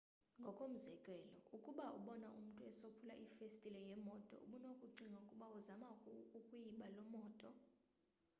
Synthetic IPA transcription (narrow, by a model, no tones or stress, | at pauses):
ŋɡʱɔkʼom̩zɛkʼɛlɔukʼuɓauɓɔnaʔum̩tʼuɛsopʰula̰ʔifestʼilɛjɛmɔtʼɔ̰ṵɓunokʼuǀiŋaukʼuɓauzamakʼukʼujiɓalɔmɔːtʼɔ